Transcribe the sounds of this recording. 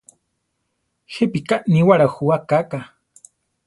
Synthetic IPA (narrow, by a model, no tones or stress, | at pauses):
xepikaʔniwaɾaxuwakaka